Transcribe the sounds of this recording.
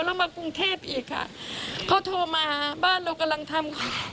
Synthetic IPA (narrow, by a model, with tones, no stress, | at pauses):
lɛː˦˥˩wmaː˧ku˧ŋt̪ʰeː˥˩p̚ʔiː˨˩kʰːa̰˧˥˩kʰa˦˥˩t̪ʰoː˧maː˧baː˥˩nɾe˧wka˧mla˧ŋt̪ʰa˧mkʰa˧˩